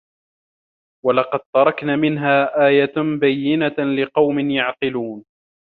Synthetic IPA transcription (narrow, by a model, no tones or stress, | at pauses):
walɑqɑd̪̚t̪ɑɾˤɑknaːmɪnɦaːʔaːjabajːɪnalɪqɑwmɪnjaʕqɨluːn